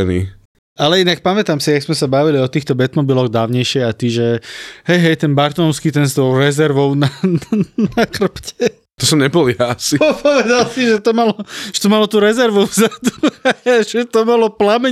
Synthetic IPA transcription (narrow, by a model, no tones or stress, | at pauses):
ɛnḭː | alɛinak̚pamɛt̪aːmsiaɡzmɛsabaʋiliɔt̪iːxt̪ɔbɛt̪mɔbilɔɣd̪aːʊɲɛjʃɪɛat̪iʒɛhɛjɦɛjt̪ɛnbaɾt̪ɔnɔskiːt̪ɛnst̪ɔʊɾɛzɛɾʋɔʊnanakr̩pcɛ | t̪ɔsɔmɲɛbɔljaasipɔʋɛd̪alsiʒɛt̪ɔmalɔʒ̥ɛt̪ɔmalɔt̪uːɾɛzɛɾʋuzat̪ɔmʒɛt̪ɔmalɔplamɛ